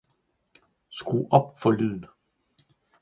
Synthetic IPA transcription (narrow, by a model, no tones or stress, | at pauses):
sɡ̥uʔɒ̽b̥̚fɒ̽lyð̰ˠn̩